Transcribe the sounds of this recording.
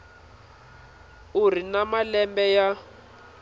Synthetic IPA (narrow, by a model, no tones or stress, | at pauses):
urinamalɛmbɛja